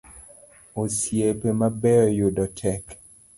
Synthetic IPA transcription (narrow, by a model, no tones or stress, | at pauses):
osjepemabɛɔjʊdɔtʰɛk